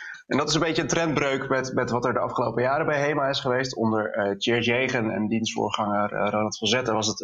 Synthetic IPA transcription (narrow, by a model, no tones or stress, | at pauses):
ʔɛndɑtɪs̬ə̃nmbejcəəntrɛndbrøɥkmɛtmɛtʋɑtɛɹdəɑ̰fχəlowpəjaːɾəbɛjɦejmaːɪsχəʋejstɔndəɹət͡ʃɛɹsejχənɛ̰ndinstfʊ̰ːɹχɑŋərranətfəzɛtəʋɑsət